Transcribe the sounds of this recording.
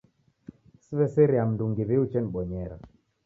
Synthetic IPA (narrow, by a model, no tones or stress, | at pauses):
siβɛsɛɾiam̩duŋɡiβiut͡ʃɛniɓɔɲɛɾa